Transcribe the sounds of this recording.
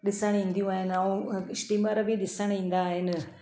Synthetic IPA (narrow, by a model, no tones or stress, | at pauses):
ɗɪsaɽ̃ĩːnd̪ijũaːɦɪnɐũsʈiːmaɾbʱiɗɪsaɽ̃ĩːnd̪aːɦɪn